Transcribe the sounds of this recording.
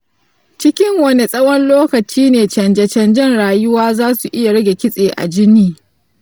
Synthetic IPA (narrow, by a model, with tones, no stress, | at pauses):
t͡ʃɪ˦kʲɪ˦ŋwɐ˨ne˨sʼɐ˦wɐ˦nloː˦kɐ˨t͡ʃiː˦neː˨t͡ʃɐ˨nd͡ʒɛ˨t͡ʃɐ˨nd͡ʒɪ˦nɽaː˨jʊ˦waː˦zaː˦su˨ʔɪ˦ja˨ɽɐ˦ɡʲe˨kʲɪ˦sʼeː˨ʔa̰˨d͡ʒɪ˦niː˦